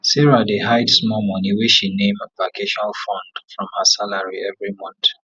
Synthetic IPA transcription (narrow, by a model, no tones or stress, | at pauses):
sɛɹadeɦaɪdsmɔmɔniwiʃinẽməpakʰeʃɔnalfɔ̃nd̥fɹɔ̃mhasalaɹiɛvɹimɔ̃nt